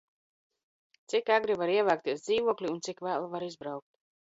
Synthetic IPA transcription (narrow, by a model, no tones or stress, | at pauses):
t̪sikaɡɾivaɾiɛvaːk̚t̪iɛsd̪iːvuɔklʲiunsikvæːlˠavaɾizbɾawk̚t̪